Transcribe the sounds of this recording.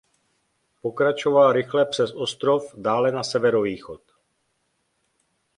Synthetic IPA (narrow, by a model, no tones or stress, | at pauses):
po̞kɾat͡ʃo̞valɾɪxlɛpr̝̥ɛsʔost̪ɾo̞fdaːlɛnasɛvɛɾo̞viːxot̪